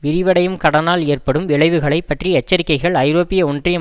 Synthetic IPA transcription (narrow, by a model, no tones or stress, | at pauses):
ʋɪɾɪʋɐɽɐjɯmkɐɽɐnaːleːrpɐɽɯmʋɪɭɐɪʋɯɣɐɭɐɪpːɐʈriɛt͡ʃːɐɾɪkːɐɪɣɐɭɐɪɾoːpːɪjɐɔndrɪjɐ